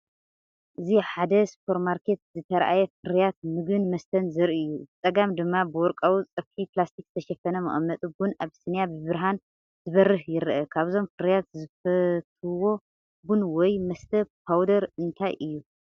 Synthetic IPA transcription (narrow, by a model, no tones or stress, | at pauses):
ʔɨziħad̪ɐspʰoɾmaɾkʰe̞t̪̚zɨt̪ʰɐɾʔa̰jɛfɨɾijat̪̚mɨɡɨnmɐst̪ʰɐnzɨɾiɨjːuzɨt͡sʼɐɡamd̪ɨmːabɨwɔɾkʼawut͡sʼɐfħiplast̪ʰik̚z̥ɨt̪ʰɐʃɛfɐnɐmɐ̰ʔʼɐmːɐt̪ʼubunaβsɨnjabɨβɨɾɦan | zɨβɐrɨhjɪɾʔɐkʰaβzo̞mfɨɾjat̪zɨfɐt̪ʰɨwo̞ | bunwɔjmɐst̪ʰɐp̚ʰawd̪ɐɾɨnt̪ʰajʔɨjːu